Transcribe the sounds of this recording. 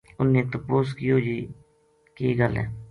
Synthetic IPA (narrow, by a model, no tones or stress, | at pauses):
ʊnːeːt̪əpoːskijoːd͡ʒiː | keːɡəlɛ̰̃ː